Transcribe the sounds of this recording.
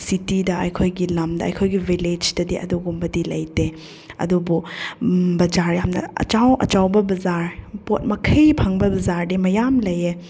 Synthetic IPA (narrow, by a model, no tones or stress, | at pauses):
sitidɐɐjkʰojɡilɐmdɐɐ̰jkʰojɡivʱiled͡ʒdɐdiʔɐ̰duɡumbɐdilɐjte | ɐ̰dubu | bɐd͡ʒaɾjamnɐ̰ɐ̰t͡ʃawɐ̰t͡ʃawbɐbɐzaɾpot̚mɐkʰɐjpʰɐŋbɐbɐzaɾdimɐjamlɐje